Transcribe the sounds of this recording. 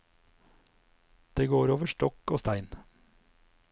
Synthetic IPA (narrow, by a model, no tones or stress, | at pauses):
d̪̥eːɡoːɾoːʋəʃʈɔkoːst̪æɪn